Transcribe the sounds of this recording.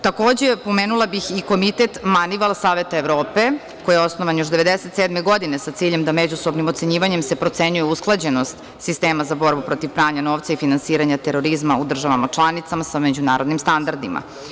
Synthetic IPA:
t̪ako̞ːd͡ʑepo̞meːnulˠabixiko̞mit̪et̪maniʋalˠsaːʋet̪aeʋɾo̞ːpe | ko̞jeo̞snoʋanjoʃd̪eʋe̞d̪eset̪seːd̪meɡo̞d̪inesat̪siːʎe̞md̪amed͡ʑusobnimot̪se̞ɲiːʋaɲe̞msepɾo̞t̪se̞ɲujeusklˠad͡ʑe̞no̞st̪ | sist̪eːmazabo̞ɾbupɾo̞t̪iʋpɾaːɲano̞ːʋt̪saifinansiːɾaɲat̪e̞ɾo̞ɾizmaud̪r̩ʒaʋamat͡ʃlˠanit̪samasamed͡ʑunaːɾo̞d̪nimst̪and̪aɾd̪ḭma̰

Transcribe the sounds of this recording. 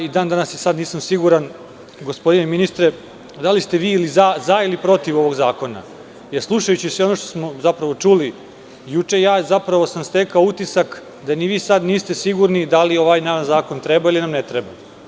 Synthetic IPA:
id̪aːnd̪anasjesad̪niːsamsiɡuɾan | ɡospo̞d̪ineminist̪ɾe | d̪alist̪e̞ʋiːlizazailipɾo̞t̪iʋo̞ʋo̞ɡzaːko̞na̰ | jeɾslˠuʃajut͡ɕisʋeo̞noʃt̪osmo̞zapɾaʋo̞t͡ʂuli | jut͡ʂe̞jaːzapɾaʋo̞samst̪e̞kaout̪isak | d̪aniʋiːsad̪niːst̪e̞siɡuɾnid̪alio̞ʋajnaːnzaːko̞nt̪ɾebailinamnet̪ɾeba

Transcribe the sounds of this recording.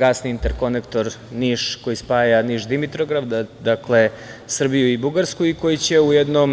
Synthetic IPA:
ɡasniint̪e̞ɾko̞nekt̪o̞ɾniʃko̞jispaːjaniʃd̪imit̪ɾoɡɾadd̪akle̞ | sr̩bijuibuɡaɾskuiko̞jit͡ɕe̞ujɛd̪nom

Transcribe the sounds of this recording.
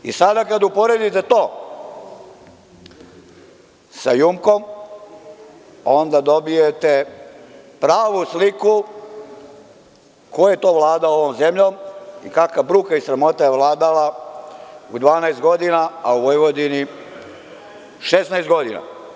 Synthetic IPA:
ḭsad̪akad̪upo̞ɾe̞d̪it̪et̪oː | sajumko̞m | ond̪ad̪o̞bijet̪e | pɾaːʋusliku | koje̞t̪o̞ːʋlˠaːd̪ao̞ʋo̞mzemʎo̞mikakabɾukaisɾamo̞t̪ajeʋlˠaːd̪ala | ud̪ʋaːnajst̪ɡo̞d̪inaauʋo̞jʋo̞d̪ini | ʃesnajst̪̚ɡo̞d̪ina̰

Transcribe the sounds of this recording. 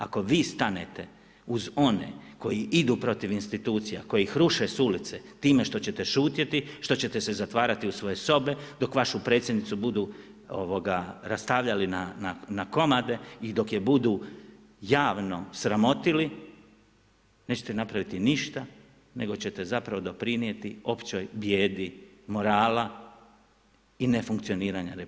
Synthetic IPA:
a̰ko̞ʋiːst̪ane̞̰t̪e̞ | uzo̞nḛko̞jiid̪uːpɾo̞t̪iʋinst̪it̪uːt̪sijako̞jeixɾuʃesulit̪se | t̪iːme̞ʃt̪o̞t͡ɕe̞t̪e̞ʃuːt̪jet̪iʃt̪o̞t͡ɕe̞t̪e̞sezat̪ʋaːɾat̪iusʋo̞je̞so̞be̞d̪o̞kʋaʃupɾe̞ːt̪sʲjed̪nit̪ubud̪u | o̰ʋo̞ɡaɾast̪aːʋʎalinananako̞mad̪e̞id̪o̞kjebud̪uː | jaːʋno̞sɾamo̞t̪ili | ne̞t͡ɕe̞t̪enapɾaʋit̪iniʃt̪a | ne̞̰ɡo̞t͡ɕe̞t̪e̞zapɾaʋo̞d̪o̞pɾinije̞t̪io̞pt͡ɕojbje̞ːd̪imo̞ɾaːla | ine̞fuŋkt̪sio̞niːɾaɲaɾe

